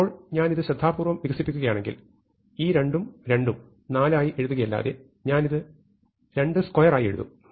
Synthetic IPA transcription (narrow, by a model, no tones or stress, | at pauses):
oːɭɲaːniðɨɕɾɐd̪ʱːaːbuːrʋɐmʋiɣɐsipːikʲːuɣɐjaːɳe̞ŋɡḭl | iːɾe̞ɳɖumɾe̞ɳɖum | naːlaːjiʔe̞ɻuðuɣɐjɐlːa̰ːðe | ɲaːniðɨ | ɾe̞ɳɖɨskojɐraːjie̞̰ɻṵðṵ